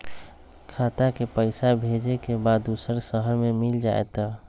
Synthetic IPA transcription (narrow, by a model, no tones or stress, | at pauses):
kʰat̪akepəɪsabʱed͡ʒekebad̪ːusəɾsəɦəɾmemild͡ʒa̰ḛt̪ɔ